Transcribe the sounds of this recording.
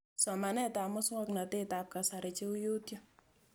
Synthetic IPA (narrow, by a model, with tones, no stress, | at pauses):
sɔ˨ma˨nɛ˦ta˨mɔ˦sŋɔ˦kna˨te˦ta˨p̚ka˨sa˨ɾɪ˨t͡ʃe˦u˦jo˦tjo˦